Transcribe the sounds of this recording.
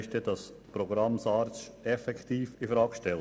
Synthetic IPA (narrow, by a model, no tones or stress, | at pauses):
ʃtɛd̥ɑs | pɾɔɡɾɑmsɑːɾʃ | ɛfɛkt̪iːfɪfɾɑːkʃtɛl